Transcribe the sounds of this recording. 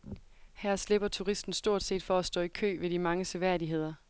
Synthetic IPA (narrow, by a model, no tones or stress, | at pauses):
hæɐ̰sle̝b̥ɐt͡sʰuʁisd̥n̩sd̥o̝ɐ̰d̥se̝̰ːd̥fɒ̽æsd̥ɔ̰ːikʰø̰ːʋe̝dimɑ̈ŋəsʰøʋæɐdiɦe̝ð̰ˠɐ